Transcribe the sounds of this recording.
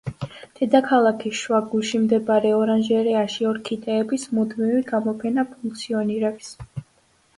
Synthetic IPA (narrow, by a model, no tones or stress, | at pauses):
d̪̥ɛd̪akʰalˠakʰiʃwaɡulˠʃimd̪ɛbaɾɛɔɾanʒɛɾɛaʃiɔɾkʰit̪ʼɛːbismud̪miviɡamɔpʰɛnapʰuŋkt̪sʰiɔniɾɛps